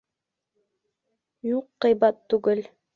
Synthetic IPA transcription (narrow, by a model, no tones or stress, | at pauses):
juqːɤ̆jbɑt̪ːuɡɘl